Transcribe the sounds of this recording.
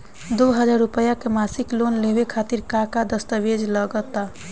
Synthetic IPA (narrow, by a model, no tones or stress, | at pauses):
d̪oɦəd͡ʒaɾupəjakemasiklonlebekʰat̪iɾkakad̪əst̪əʋed͡ʒləɡət̪a